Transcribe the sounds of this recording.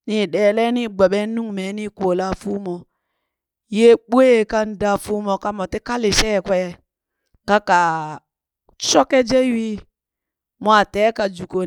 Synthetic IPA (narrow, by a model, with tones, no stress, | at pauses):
ni˦ɗɛ˨le˦ni˦ɡ͡ba˨ɓɛ˦nu˦ŋme˨˦ni˦ko˨la˦fu˦mɔ˨ | je˦ɓu˦e˦˨ka˦n˨˦da˦˨fu˦mɔ˨ka˦mɔ˨te˦ka˦le˨ʃɛ˦˨kwɛ˦˨ | ka˦ka˨ | t͡ʃɔ˦kɛ˦d͡ʒe˦wi˦ | mo˦a˨tɛ˦ka˨d͡ʒu˨ko˨